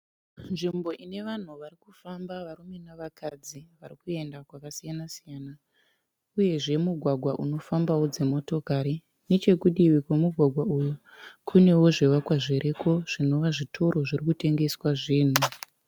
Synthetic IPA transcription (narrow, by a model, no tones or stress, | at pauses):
nʐimbo̞ʔine̞ʋan̤uʋarikufambaʋarume̞naʋakʰad͡ziʋaɾikue̞ndakwakasijanasijaːna | uje̞ʐe̞muɡʱwaɡʱwaʔuno̞fambawo̞d͡ze̞mo̞to̞kaɾi | ne̞t͡ʃe̞kuɗiʋikwemuɡʱwaɡʱwauju | kʰune̞wo̞ʐewakwaʐeɾʔeko̞ʐ̥ino̞ʋaʐitʰo̞ɾʔo̞ʐirikute̞ŋɡe̞swaʐiːn̤u